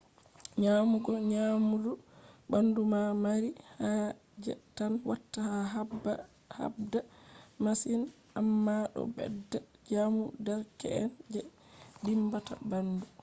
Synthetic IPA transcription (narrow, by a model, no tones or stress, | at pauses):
ɲamuɡɔɲamudubandumamaɾiha | d͡ʒɛ̰tːanwatːaha | ha̰bdamasin | ʔamːaɗɔ̰bɛ̰dːad͡ʒamudɛɾkɛ̰ɛnd͡ʒɛ | dimbata̰bandu